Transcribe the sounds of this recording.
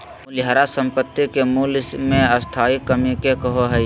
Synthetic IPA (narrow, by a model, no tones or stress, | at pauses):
ʊljaːɾasə̃mpət̪ːikemuːlmẽəst̪ʰaːikəmikekəɦoɦɛj